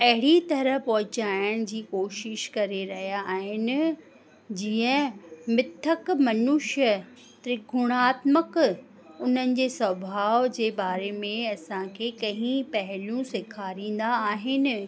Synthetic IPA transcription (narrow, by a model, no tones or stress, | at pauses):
ɐɦɪɽit̪ɐɾəɦpɐɦʊt͡ɕaːɪjəɽ̃d͡ʑiːkoːʃɪʃkɐɾeɾɐɦijaʔaːɦɪnɪ̆ | d͡ʑiːə̃mɪt̪ʰːəkmɐnʊʃə | t̪ɾɪɡʱʊɽ̃aːt̪mək | ʊn̤ənɪ̆d͡ʑeːsɐbʱaːʋd͡ʑeːbaːɾemẽɐsãkʰeːkɐ̃ɦĩpɐɦɪljũsɪkʰaːɾĩːn̆d̪aːɦɪnɪ̆